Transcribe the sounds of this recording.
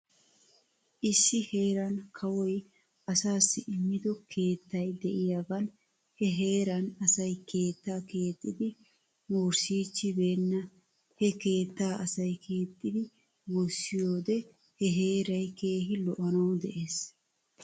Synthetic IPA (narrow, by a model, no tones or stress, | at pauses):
ʔɪsːɪhe̞ːɾɐnkʰɐwɔj | ɐsaːsːɪʔɪmːɪd̪ɔkʰe̞ːt̪ːɐjd̪ɛʔɪjaɡɐn | hɛɦe̞ːɾɐnɐsɐjkʰe̞ːt̪ːaːke̞ːt̪ʼːɪd̪ɪ | moːɾsiːt͡ʃːɪbe̞ːnːɐ | hɛke̞ːt̪ːaːʔɐsɐjkʰe̞ːt̪ʼːɪd̪ɪ | wɔsːɪjoːd̪ɛ | hɛɦe̞ːɾɐjke̞ːɦɪlɔʔɐnɐwd̪ɛʔe̞ːs